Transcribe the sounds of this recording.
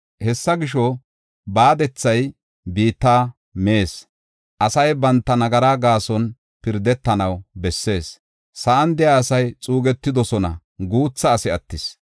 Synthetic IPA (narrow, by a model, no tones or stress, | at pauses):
hɛsːɐɡɪʃ̬ɔ | baːd̪ɛt͡sːɐj | biːt̪ːaː | me̞ːs | ʔɐsɐjbɐnt̪ːɐnɐɡɐɾaːɡaːsɔn | pɪɾd̪ɛt̪ːɐnɐwbɛsːe̞ːs | sɐʔɐnd̪ɪjaːsɐjt͡sʼuːɡɛt̪ːɪd̪ɔsɔnɐ̰ | ɡuːt͡sːɐːsɪɐt̪ːɪs